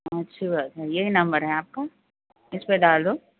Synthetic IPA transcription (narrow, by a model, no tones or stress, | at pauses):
ɐtːʃʰibaːtajeɦinɐ̃mbəɾɦɛaːp̚ka | ɪspeɖaːld̪oː